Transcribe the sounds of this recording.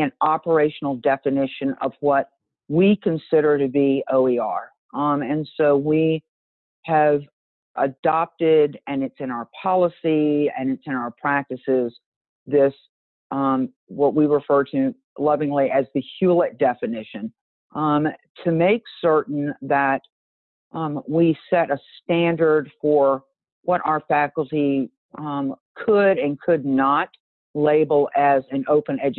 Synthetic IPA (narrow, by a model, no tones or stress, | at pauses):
ɨ̃nɑpə˞eɪʃn̩l̩ˠdɛfɨnɪʃɨ̃nʌ̰vwʌt̚ | wikʰɨ̃nsɪɾə˞ɾɨbioʊiɑɹ | ɨ̃nsoʊwi | ɨv | ʔədɑp̚tɪɾɨ̃nɨtsɨ̃ñaʊə˞pʰɑlˠəsiɨ̰̃nɨtsɨ̃ñaʊə˞pʰɹ̥æk̚tɨsɪz̥ | ðɪs | wʌʔ̚wiɹɨfɜ˞ɾɨ | lʌvɪ̃ŋliʔɨzðɨhjʉlˠət̚d̥ɛfɨnɪʃɨ̃n | tʰɨmeɪksɜ˞ʔn̩ðɨt̚ | wisɛɾɨstæ̃ndə˞d̥fə˞ | wʌɾʔaʊə˞fækl̩ˠti | kʰəɾɨ̃nkʰɨdⁿnət | leɪbl̩ˠɨzɨ̃noʊpɨ̃nɛd͡ʒ